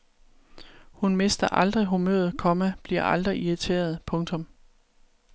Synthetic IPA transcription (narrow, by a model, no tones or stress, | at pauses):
hunme̝sd̥ɐʔɑ̈ld̥ʁiɦumø̰ːɐð̩ˠkʰɒ̽mæb̥liɐ̰ʔɑld̥ʁiiʁit͡sʰe̝̰ːɐð̞̩ˠpʰɔ̽ŋt͡sʰɔ̽m